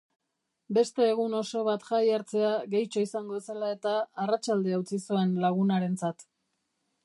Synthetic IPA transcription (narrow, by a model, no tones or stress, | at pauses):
be̞st̪e̞ːɣuno̞so̞βat̪ʝajaɾt͡se̞aɣe̞jt͡ʃo̞isaŋɡoselae̞t̪aːrat͡ʃald̪e̞awt͡sisue̞nlaɣ̞unaɾe̞nt͡sat̪